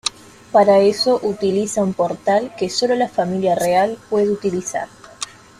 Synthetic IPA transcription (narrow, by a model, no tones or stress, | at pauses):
paɾaeso̞ʔut̪ilisaumpo̞ɾt̪alkeso̞lo̞lafamiljarealpwe̞ðeut̪ilisa̰ɾ